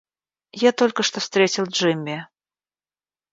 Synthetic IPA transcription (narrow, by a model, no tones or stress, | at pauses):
jat̪ɔlʲkəʂt̪ɔfst̪ɾʲet͡sʲilˠʐɨmʲːɛ